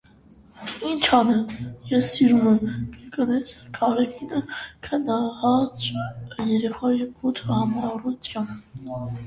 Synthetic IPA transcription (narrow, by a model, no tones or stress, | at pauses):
int͡ʃʰɑnɛmjɛsːiɾumɛmkəɾkənɛt͡sʰkʰɑɾɛvinəkʰənɑhɑt͡sjɛɾɛχɑjipʰut̪ʰəhɑmɑrut̪ʰjɑn